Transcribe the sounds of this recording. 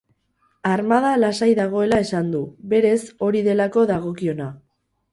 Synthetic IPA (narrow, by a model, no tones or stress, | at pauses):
aɾmað̞alasajðaɣ̞o̞e̞lae̞sand̪uβe̞ɾe̞so̞ɾiðe̞lako̞ðaɣ̞o̞kio̞na